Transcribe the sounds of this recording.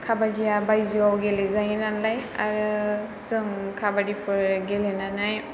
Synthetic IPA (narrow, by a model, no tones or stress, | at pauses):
kʰabadijabajziawɡɛlɛzajnalaja̰ɹu | sɯŋkʰabadipʰɯɹɡɛlɛnanaj